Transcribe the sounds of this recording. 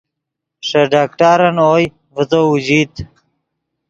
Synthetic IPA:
ʂɐɖaːkʈaːɾɐnoːj | vət̪oːud͡ʑiːt̪

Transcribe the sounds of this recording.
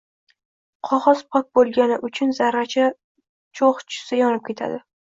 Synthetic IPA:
qʰɒʁɒz̥pʰɒk̚bolˠɡʲanɪʔʊt͡ʃʰʊnzaɾːat͡ʃʰa | t͡ʃʰoχt͡ʃʰʊ̥sajɒnɪp̚kʲʰe̞t̪ʰa̰d̪ɪ

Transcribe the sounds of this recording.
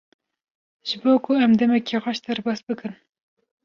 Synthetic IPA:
ʒ̥ɨboːkʰʊɛmd̪ɛmɛkiːxɑʃd̪ɛɾbɑːsbɨkɨn

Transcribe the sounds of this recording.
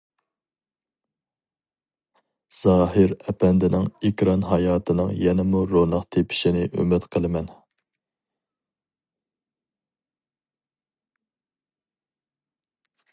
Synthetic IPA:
z̥ɑːɦɨɾɛpʰɛnd̪ɪnɪŋikʲɾɑnɦɑjɑːt̪ʰɨnɨ̰ŋjɛnɪmuɾonɑqt̪ʰepʰɪ̥ʃinɪʔø̰mɪt̪qʰəlˠɨmɛn

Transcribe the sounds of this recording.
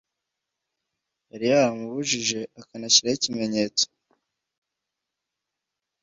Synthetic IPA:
aɾijaɾamuβuʒiʒe̞akanaçiɾaicime̞ɲe̞ːt͡so̥

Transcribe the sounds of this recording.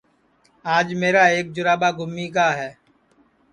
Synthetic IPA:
aːd͡ʒmeːɾaːeːk̚d͡ʒʊɾaːbaːɡʊmːiːk̬aːɦɛː

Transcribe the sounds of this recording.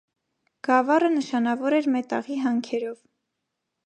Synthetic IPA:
ɡ̥ɑvɑrənəʃɑnɑvɔɾɛɾmɛt̪ɑ̰ʁiɦɑŋkʰɛɾɔv

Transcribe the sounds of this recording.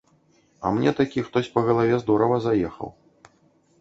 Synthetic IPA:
ɐ̰mnʲɛt̪akʲixt̪ɔsʲpɐɣɐlˠavʲɛzd̪uɾɔvɐzajɛxɐ̰w

